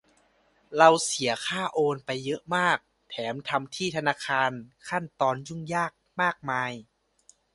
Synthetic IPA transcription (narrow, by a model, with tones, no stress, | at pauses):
ɾa˧wsi˩˦ɐkʰaː˥˩ʔoː˧npa˧jːɤ˦˥ʔmaː˥˩k̚ | t̪ʰɛː˩˦mt̪ʰa˧mt̪ʰiː˥˩t̪ʰa˧naː˧˥˩kʰaː˧nkʰa˥˩nt̪ɔː˧nju˥˩ŋjaː˥˩k̚maː˥˩k̚maː˧j